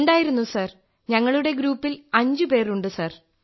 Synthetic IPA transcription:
ɳɖaːjiɾunːusɐr | ɲɐŋːɐɭuɽe̞ɡɾuːpːilɐɲd͡ʑɨpe̞ːruɳɖɨsɐr

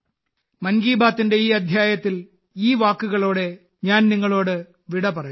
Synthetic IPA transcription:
mɐnɡiːbaːt̪ːinde̞iːɐd̪ʱjaːjɐt̪ːil | iːʋaːkːuɣɐɭo̞ːɽe̞ | ɲaːnniŋːɐɭo̞ːɽɨ | ʋiɽɐpɐrɐɲːu

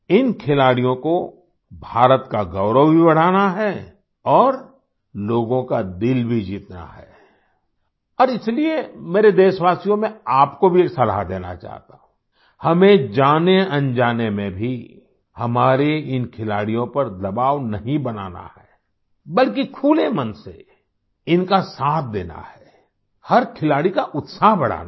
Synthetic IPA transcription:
ɪnkʰɪlaːɽijõko | bʱaːɾət̪kaɡɐʊɾəwbʱibɐɽ̤aːnaɦɛ | ɔːɾ | loːɡõkad̪ɪlbʱid͡ʒiːt̪na̰ɦɛ̰ː | ɔːɾɪsliemeːɾed̪eːʃʋaːsijõmẽaːpkobʱieːksɐla̰d̪eːna̰t͡ʃa̰ːɦt̪a̰ːɦũ | hɐmẽd͡ʒaːneɐ̃nd͡ʒaːnemẽbʱi | hɐmaːɾeɪnkʰɪlaːɽijõpɐɾd̪ɐbaːʋnɐɦĩbɐna̰ːna̰hɛː | bɐlk̬ikʰuːlemɐnsḛ | ɪnkasaːt̪̚ʰd̪eːna̰hɛː | hɐɾkʰɪlaːɽikaʔʊt̪saːɦbɐɽ̤a̰ːn

